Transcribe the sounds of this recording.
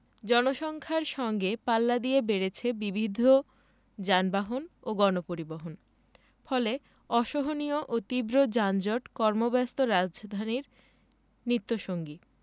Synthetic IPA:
d͡ʑɔnoʃɔŋkʰaɾʃɔŋɡepalːad̪iebeɾet͡ɕʰebibʱid̪ʱːo | d͡ʑanbaɦonoɡɔnopoɾiboɦon | fɔle | ɔʃoɦonioʔot̪ibɾod͡ʑand͡ʑoʈkɔɾmobɛst̪oɾad͡ʑd͡ʑd̪ʱaniɾ | nɾit̪ːoʃoŋɡi

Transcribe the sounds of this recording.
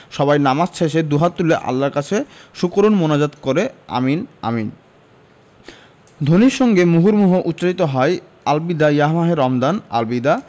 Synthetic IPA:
ʃɔbajnamad͡ʑʃeʃ̬ed̪uɦat̪t̪ːuleʔa̰lːaɾkat͡ɕʰeʃukɾonmonad͡ʑat̪koɾea̰mina̰min | d̪ʱoniʃɔŋɡemuɦuɾmuɦoʔut̪ːɕait̪oɦɔe | albid̪ajaɦmaɦeɾɔmd̪ana̰lbid̪a

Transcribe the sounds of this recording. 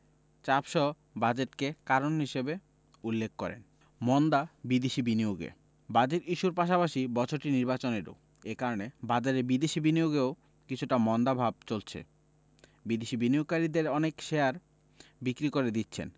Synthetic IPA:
t͡ɕapʃɔ | bad͡ʑeʈkekaɾonɦiʃebe | ulːekʰːɔɾḛn | mɔnd̪abid̪eʃibinioɡḛ | bad͡ʑeɾiʃuɾpaʃ̬apaʃibɔt͡ɕʰoɾʈiniɾbat͡ɕoneɾo̰ | ekaɾonebad͡ʑaɾebid̪eʃibinioɡeo | kit͡ɕʰuʈamɔnd̪abʱab̚t͡ɕolt͡ɕʰḛ | bid̪eʃibinioɡ̚kaɾid̪eɾɔnekʃeaɾ | bikɾikoɾed̪it̪ːɕʰḛn

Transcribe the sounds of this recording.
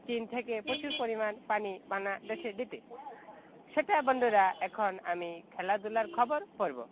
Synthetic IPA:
t͡ɕint̪ʰekepɾot͡ɕuɾpoɾimanpanibanad̪eʃed̪it̪e | ʃeʈabɔɳɖoɾaʔɛkʰonamikʰɛlad̪ulaɾkʰɔboɾpoɾbo̰

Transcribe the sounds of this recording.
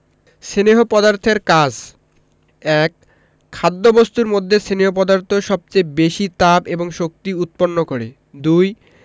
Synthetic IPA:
ʃeneɦopɔd̪aɾt̪ʰeɾkad͡ʑ | ɛkʰː | ad̪ːobost̪uɾmod̪ʱːeseneɦop̬ɔd̪aɾt̪ʰoʃɔb̚t͡ɕebeʃit̪apeboŋʃok̚t̪iut̪̚ponːokoɾe | d̪uj

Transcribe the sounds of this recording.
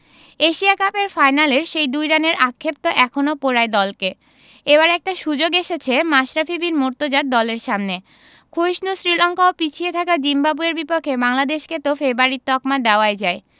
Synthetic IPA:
eʃiakapeɾfajnaleɾʃejd̪ujɾaneɾʔakʰːep̚t̪oʔɛkʰonopoɾaed̪ɔlke | ebaɾɛk̚ʈaʃud͡ʑoɡeʃet͡ɕʰemaʃɾafibinmoɾt̪od͡ʑaɾ̚d̪ɔleɾʃamne | kʰojʃnusɾilɔŋkaopit͡ɕʰiet̪ʰakad͡ʑimbabueɾbipokʰːebaŋlad̪eʃket̪ofebaɾit̪ːɔkmad̪ɛoaed͡ʑae

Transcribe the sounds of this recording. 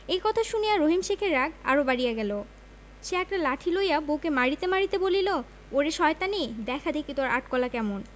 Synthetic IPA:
ejkɔt̪ʰaʃunijaɾoɦimʃekʰeɾːaɡa̰ɾobaɾijaɡɛlo | ʃeɛk̚ʈalaʈʰilojabokemaɾit̪emaɾit̪ebolilo | oɾeʃɔet̪anid̪ɛkʰad̪ekit̪oaɾaʈkɔlakɛmon

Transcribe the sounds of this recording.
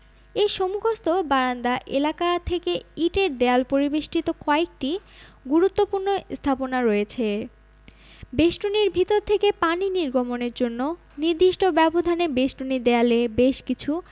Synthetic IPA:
eʃomuɡʱost̪obaɾand̪aʔelakat̪ʰekeiʈeɾd̪ealpoɾibeʃʈit̪okɔek̚ʈiɡuɾut̪ːopuɾnost̪ʰaponaɾoet͡ɕʰe | beʃʈuniɾbʱit̪oɾt̪ʰekepaniniɾɡʱomoneɾd͡ʑonːo | niɾd̪iʃʈobɛbod̪ʱanebeʃʈunid̪ealebeʃkit͡ɕʰu

